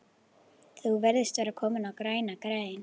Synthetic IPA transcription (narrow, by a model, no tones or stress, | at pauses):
θuvɛɾðɪst̪vaɾakʰɔːmɪnawkɾaːjnakɾaːjjɪn